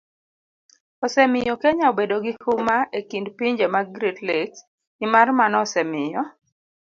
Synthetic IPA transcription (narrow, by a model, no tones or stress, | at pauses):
ɔsɛmɪjɔkeɲaobedoɡihumaekindpiɲd͡ʒemaɡɾitlek | ɪmarmanɔsɛmɪjɔ